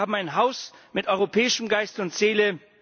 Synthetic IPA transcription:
aːbm̩aɪnɦaʊsmɪtʔɔʏʁopʰɛːɪʃəmɡaɪstʊntz̥eːlə

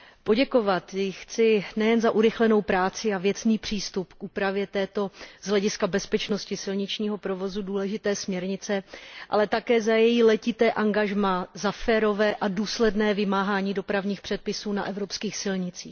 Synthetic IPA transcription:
po̞ɟɛko̞vat̪jɪxt͡sɪnɛjɛnzaʔuɾɪxlɛno̞wpɾaːt͡sɪavjɛt͡sniːpr̝̥iːst̪upkʔuːpɾavjɛt̪ɛːt̪o̞z̥ɦlɛɟɪskabɛspɛt͡ʃno̞scɪsɪlɲɪt͡ʃɲiːɦo̞pɾo̞vo̞zuduːlɛʒɪt̪ɛːsmɲɛɾɲɪt͡sɛʔa̰lɛt̪akɛːzajɛjilɛcɪt̪ɛːʔaŋɡaʒmazafɛːɾo̞vɛːʔaduːslɛdnɛːvɪmaːɦaːɲiːdo̞pɾavɲiːxpr̥ɛt̪̚pɪsuːna̰ʔɛvɾo̞pskiːxsɪlɲɪt͡sḭːx

